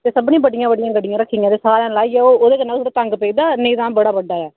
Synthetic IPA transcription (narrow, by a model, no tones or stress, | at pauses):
t̪eːsəbnĩːbəɖɪjãːbəɖɪjãːɡəɖɪjãːɾəkʰːiːɡãːt̪eːsaːɾjãːlaːiːɛːoːoːd̪eːkənãːsɾaːt̪əŋɡpeiːd̪aːneːd̪ãːbəɽaːbəɖːaːɛː